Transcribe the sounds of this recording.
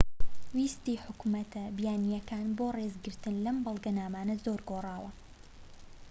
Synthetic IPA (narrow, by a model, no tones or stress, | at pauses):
wiːst̪iːħʊkmɐt̪ʰɐbjaːnijɐkaːnboːrezɡɨɾt̪ɨnlɐmbɐlˠɡɐnaːmaːnɐzoɾɡoːrˤɑːwɐ